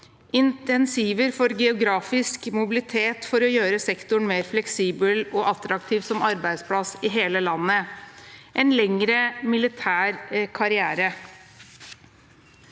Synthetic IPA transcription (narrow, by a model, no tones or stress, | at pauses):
ɪnt̪ɛnsiːʋəɾfɔɾɡɛʊɡɾɑːfɪskmʊbɪlɪt̪ʰeːt̪fɔɾɔjøːɾəsɛkt̪ʊɳmeːɾflɛksiːbəlɔʔɑt̪ɾɑkt̪ʰiːʋsɔmɑɾbæɪd̪spʰlɑsɪɦeːləlɑnːə | ʔɛnlɛŋɾəmɪlɪt̪ʰæːɾkʰɑɾɪæːɾə